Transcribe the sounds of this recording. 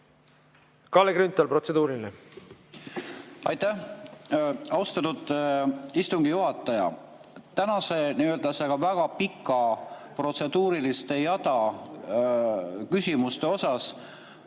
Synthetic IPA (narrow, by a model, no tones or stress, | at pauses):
kɑleɡɾynt̪ːˑɑlprot̪sed̪uːɾine | ɑ̰jt̪æ | ɑwst̪ɑt̪ud̪ | ist̪uŋɡijuɦɑt̪ːˑɑjɑ̰ | t̪ænɑse̞niøːld̪ɑseɡ̥ɑvæɡ̥ɑpikːˑɑpro̞t̪se̞d̪uːɾilist̪e̞jɑt̪ɑ | kysʲimust̪e̞o̞sɑs